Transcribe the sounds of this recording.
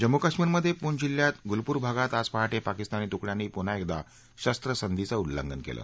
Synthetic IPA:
d͡ʑəmːukəkʂmiːɾməd̪ʱːjepuɳd͡ʑiljat̪ɡulpuːɾbʱaɡat̪ad͡zpaɦaʈepakist̪aniːt̪ukɭjanːiːpun̤aek̚d̪a̰ | ɕəst̪ɾəsənd̪it͡səulːə̰ŋɡənkḛlə̰ː

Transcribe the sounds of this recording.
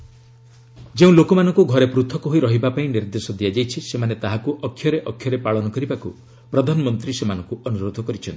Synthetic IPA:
d͡ʒeũlokɔmanɔŋkuɡʱɔɾepɾut̪ʰɔkɔɦoiɾɔɦibapaĩniɾd̪esɔd̪iad͡ʒajt͡ʃʰisemanet̪aɦakuʔɔkʰːjɔɾeʔɔkʰːjɔɾepaɭɔnɔkɔɾibakṵ | pɾɔd̪ʱanɔmɔnt̪ɾisemanɔŋkuʔɔnuɾod̪ʱɔkɔɾit͡ʃʰɔnt̪i̥

